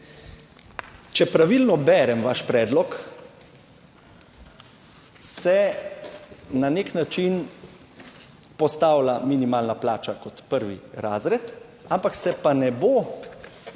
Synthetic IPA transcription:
t͡ʃɛpɾaʋilnɔbɛːɾɛmʋaʃpɾɛːd̪lɔk | sɛ | naneknat͡ʃin | pɔst̪aːwlaminimaːlnaplaːt͡ʃakɔt̪pəɾʋiɾaːzɾɛt̪ | ampaksɛpanɛbo

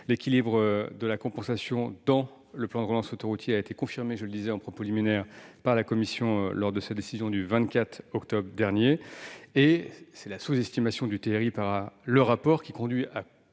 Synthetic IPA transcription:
lekʲilibʁəd̪əlakɔ̃pɑ̃sasjɔ̃d̪ɑ̃ | ləplɑ̃d̪ʁəlɑ̃sot̪ɔʁut̪ʰjeaet̪ekɔ̃fiʁmeʒələd̪izɛɑ̃pχɔpoliminɛʁpaʁlakɔmisjɔ̃lɔʁd̪əsad̪esizjɔ̃d̪yvɛ̃t̪kʲat̪χɔkt̪ɔbʁəd̪ɛʁnjeesɛlasuzɛst̪imasjɔ̃d̪yt̪eʁipaʁləʁapɔʁkʲikɔ̃d̪ɥia

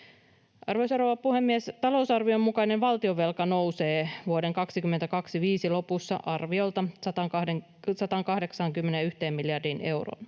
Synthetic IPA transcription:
ʔɑrʋo̞jsɑɾoʋɑppuhe̞mːiest̪ɑlo̞usɑrʋio̞mːukɑinenʋɑlt̪io̞ʋe̞lkɑno̞wse̞ːʋuodeŋkɑksikymːe̞nt̪ækɑksiʋiːsilo̞pusːɑ̰ʔɑrʋio̞lt̪ɑsɑt̪ɑŋkɑe | sɑt̪ɑŋkɑhde̞ksɑŋkymːenejyht̪e̞ːmːmiljɑrdinʔe̞wro̰ːn

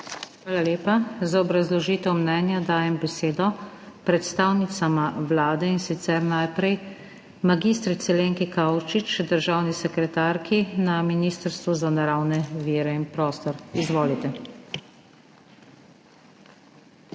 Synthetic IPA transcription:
xʋaːlaleːpazaɔbɾazlɔʒiːt̪ɛwmnɛːnjad̪aːjɛmbɛseːd̪ɔ | pɾɛt̪st̪aːwnit̪samaʋlaːd̪ɛinsit̪sɛɾnajpɾɛj | maɡist̪ɾit̪sɛleːŋkikawt͡ʃit͡ʃd̪əɾʒaːwnisɛkɾɛt̪aːɾkʰinaminiːst̪əɾst̪ʋuzanaɾawnɛʋiːɾɛinpɾɔːst̪ɔɾizʋoːlit̪ɛ

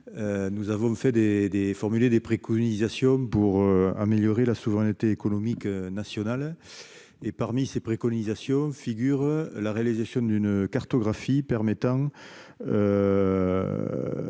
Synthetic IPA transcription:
ønuzavɔ̃fɛd̪ed̪efɔʁmyled̪epχekɔnizasjɔ̃puʁøa̰meljɔʁelasuvəʁɛnət̪eːkonɔmiknasjɔnal | epaʁmisepχekɔnizasjɔ̃fiɡyʁəlaʁealizasjɔ̃nd̪ynəkaʁt̪ɔɡʁafipɛʁmet̪ɑ̃ŋ | ø

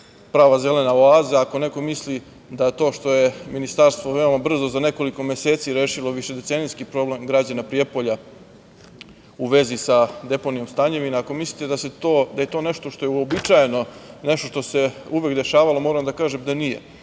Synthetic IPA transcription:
pɾaːʋaze̞le̞naoaːzaako̞ne̞ko̞misli | d̪ajet̪o̞ːʃt̪o̞je̞minist̪aɾst̪ʋoʋe̞o̞mabr̩zo̞zane̞ko̞liko̞me̞se̞ːt̪siɾeːʃilˠo̞ʋiʃe̞d̪e̞t̪senijskipɾo̞ble̞mɡɾad͡ʑanapɾijepo̞ʎa | uʋe̞zisad̪e̞po̞nijo̞mst̪aɲe̞ʋinaːko̞mislit̪ed̪aset̪od̪aje̞t̪o̞ːne̞ʃt̪o̞ʃt̪ojeuobit͡ʃajeno̞ne̞ʃt̪o̞ʃt̪o̞se̞uʋjekd̪e̞ʃaːʋalˠo̞mo̞ːɾamd̪akaːʒemd̪anije̞̰

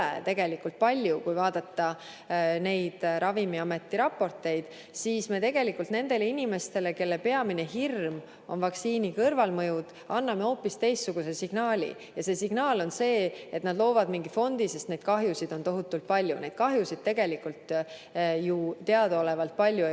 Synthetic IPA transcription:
ḛt̪e̞ɡe̞likːˑult̪̚pɑlʲjukujvɑːd̪̥ɑt̪ːɑ | ne̞jd̪̥ɾʔɑvimiɑme̞t̪ːˑiɾɑpːo̞rt̪ːˑe̞jd̪̥ | siːsmet̪e̞ɡ̥e̞likːult̪ne̞nd̪̥e̞leinime̞st̪e̞leke̞lːepe̞ɑmine̞ɦirm | o̞̰nvɑksiːnikɤrvɑlmɤjud̪̥ | ɑnːɑme̞o̞ːpːist̪e̞jst̪ːsuɡ̥use̞siɡ̥nɑːlʲḭ | jɑse̞siɡ̥nɑːlo̞nse̞ːe̞t̪nɑd̪̥lo̞ːvɑd̪miŋɡifo̞nd̪̥ise̞st̪ne̞d̪̥kɑɦjusid̪̥o̞nt̪o̞ɦut̪ːˑult̪̚pɑlʲjṵne̞jd̥̪̚kɑɦjusid̪̚t̪e̞ɡe̞likult̪ | jut̪eɑd̪ole̞vɑlt̪̚pɑlʲju

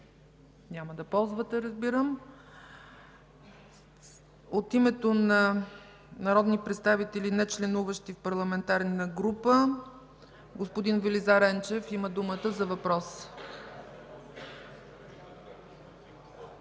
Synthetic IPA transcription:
nʲaməd̪ɐpɔlˠzvət̪ɛɾəzbiɾəm | ot̪imɛt̪onɐ | nɐɾɔd̪nipɾɛt̪st̪avit̪ɛlinɛt͡ʃlɛnuvəʃt̪ifpɐɾlˠɐmɛnt̪aɾnnɐɡɾupə | ɡospod̪invɛlizaɾɛnt͡ʃɛfiməd̪umət̪əzɐvɐpɾɔs

